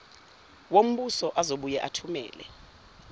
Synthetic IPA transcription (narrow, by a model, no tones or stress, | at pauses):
wom̩ɓusɔʔazoɓujɛʔatʰumɛ̰ːlɛ̰